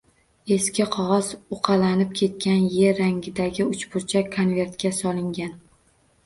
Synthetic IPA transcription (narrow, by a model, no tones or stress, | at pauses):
e̞skʲɪqʰɒʁɒzʊqʰɑlanɪp̚kʲʰe̞t̪̚kʲanje̞ɾaŋɡʲɪd̪aɡʲɪʊt͡ʃbʊɾt͡ʃʰakʰːonvʲe̞ɾt̪kʲasɒlˠɪŋɡʲan